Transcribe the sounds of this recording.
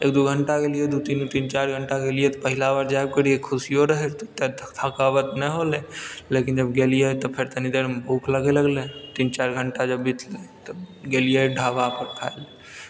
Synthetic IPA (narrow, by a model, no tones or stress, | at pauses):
ḛːk̚d̪uɡʱəɳʈakelijed̪ut̪int̪int͡ʃaːɾɡʱəɳʈakelijet̪ɔpəɦɪlabaɾd͡ʒaeb̚kəɽijekʰʊsijoɾəɦɛt̪ɔt̪et̪t̪ʰakaːʋət̪nɛɦolelekind͡ʒəbɡeːlijet̪ɔpʰeɾt̪ənid̪eɾmbʱuːkʰləɡeləɡlẽt̪iːnt͡ʃaːɾɡʱəɳʈad͡ʒəbːɪt̪ʰlet̪əɡeːlijeɖʱaːʋapəɾkʰa̰el